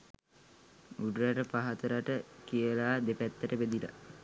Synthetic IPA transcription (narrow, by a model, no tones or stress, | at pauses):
uɖɾaʈəpaɦat̪əɾaʈəkijəlaːd̪epæt̪ːəʈəbed̪ila̰